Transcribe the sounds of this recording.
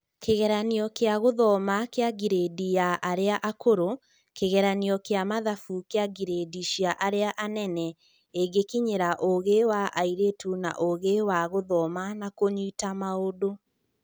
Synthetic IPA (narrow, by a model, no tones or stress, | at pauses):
keɣɛɾaniɔkeaɣoðɔmakeaɡiɾedijaʔaɾeaʔakoɾo | keɣɛɾaniɔkeamaðafukeaɡiɾediʃiaʔaɾeaʔanɛnɛ | eɡekiɲeɾaʔoɣewaʔaiɾetuna̰ʔoɣewaɣoðɔmanakoɲuitamaodo